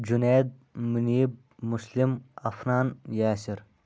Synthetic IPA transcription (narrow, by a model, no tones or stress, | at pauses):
d͡ʒuneːd̪̚muniːb̚ | muslimɐfnaːnjaːsiɾ